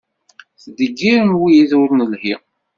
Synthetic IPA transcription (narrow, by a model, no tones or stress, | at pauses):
θd̪əɡːiɾənwijiðʊɾnəlhi